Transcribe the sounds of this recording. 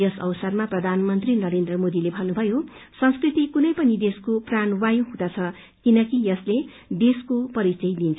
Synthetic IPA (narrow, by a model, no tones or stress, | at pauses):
jʌsʌ̰wsʌrmaprʌd̪ʱanmʌnt̪rinʌɾend̪ɾrʌmod̪ilebʱʌnːubʱʌjo | sʌ̃skrit̪ikunʌjpʌnid̪eskopranwajoɦũd̪at͡sʰʌ | kinʌkijʌsle | d̪eskopʌɾit͡sʌjd̪int͡sʰ